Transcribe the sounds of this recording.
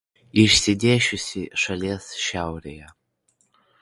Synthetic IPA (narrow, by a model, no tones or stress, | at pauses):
iʃsʲɪd̪ʲeːʃʊsʲɪʂɐlʲeːsʃawɾʲejɛ